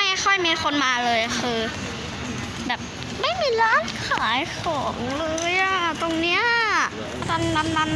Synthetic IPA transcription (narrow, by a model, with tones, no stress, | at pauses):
a˥˩jxʰɔ˥˩jmiː˧xʰo˧nmaː˧lɤː˧jxɯː˧ | bɛː˨˩p̚ | ma˥˩jmiː˧laː˦˥˨nkʰaː˩˦jkʰɔː˩˦ŋlɤː˧jʔa˨˩t̪o˧ŋni˦˥ɐ | t̪a˧nːa˧nːa˧˥n